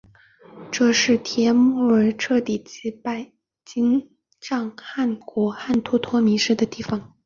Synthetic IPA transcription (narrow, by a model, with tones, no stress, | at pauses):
ʈ͡ʂɤ˥˧ʂɻ̩˥˩t̪ʰjɛ˧˥mɔ˥˩ə˧˥ʈ͡ʂʰɤ˥˧t̪i˨˩t͡ɕi˧˥pa˥˩ɪ | t͡ɕi˥ŋ | ʈ͡ʂɑ˥˩˧ŋxa˥˩nkwɔ˧˥xa˥˩nt̪ʰu˥t̪ʰwɔ˥mi˧˥ʂɻ̩˥d̪ə˨t̪i˥˩fɑ˧˥ŋ